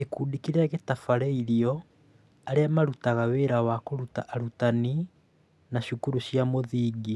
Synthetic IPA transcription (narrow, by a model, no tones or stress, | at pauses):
ekuːdikiɾɛɣetafaɾɛiɾiɔ | aɾeamaɾutaɣaweːɾawakoɾutaʔaɾutani | naʃukuɾuʃjamoðiːɡi